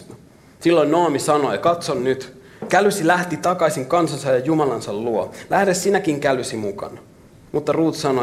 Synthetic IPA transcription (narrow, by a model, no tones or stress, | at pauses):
silːoinnoɑmisɑnojɑkɑt̪sonnyt̪ | kælysilæht̪it̪ɑkɑisiŋkɑnsɑnsɑjɑjumɑlɑnsɑlluolæhdessinækiŋkælysimukɑ̰nɑ | mut̪ːɑruːt̪sɑno